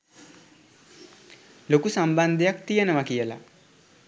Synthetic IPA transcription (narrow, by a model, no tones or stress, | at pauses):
lokusamband̪ʱejak̚t̪ijenəʋakijəla̰